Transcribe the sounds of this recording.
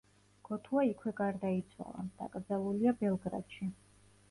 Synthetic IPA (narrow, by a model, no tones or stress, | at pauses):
ɡ̥ɔt̪ʰuaikʰwɛɡaɾd̪ait̪sʰwa̰lˠa̰d̪̥a̰kʼɾd̪zaluliabɛlˠɡɾa̰t̪ʃi